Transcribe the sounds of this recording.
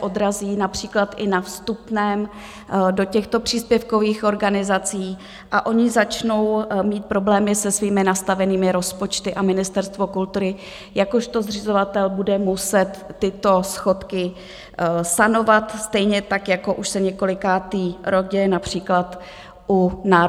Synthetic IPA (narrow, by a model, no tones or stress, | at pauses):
ʔod̪ɾaziːnapr̝̥iːklat̪ʔɪnafst̪upnɛːm | do̞cɛxt̪opr̝̥iːspjɛfko̞viːxʔo̞ɾɡanɪzat͡siː | ʔaʔo̞ɲɪzat͡ʃno̞wmiːt̪̚pɾo̞blɛːmɪsɛsviːmɪnast̪avɛniːmɪɾo̞spo̞t͡ʃt̪ɪʔamɪnɪst̪ɛɾst̪vo̞kult̪uɾɪ | jakoʃt̪o̞zrɪzo̞vat̪ɛlbudɛmusɛt̪ːɪt̪o̞sxo̞t̪kɪ | sano̞vat̪st̪ɛjɲɛt̪akjako̞ʔuʃsɛɲɛko̞lɪkaːt̪iːɾoɟɛjɛnapr̝̥iːklat̪ | ʔunaː